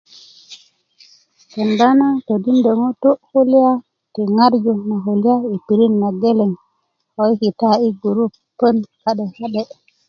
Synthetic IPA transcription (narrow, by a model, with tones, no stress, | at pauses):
te˨nda˦na˦to˨di˦nde˨ŋo˦to˦hu˦li˦a˦ | ti˨ŋa˦ɾd͡ʒu˨na˨ɦo˨li˦ja˦i˨pi˨ɾi˦nːa˨ɡe˦le˨ŋ | ho˨i˦ki˨ta˦i˦ɡu˨ɾu˦p | pːə˦nha˦ɗe˨ha˦ɗe˨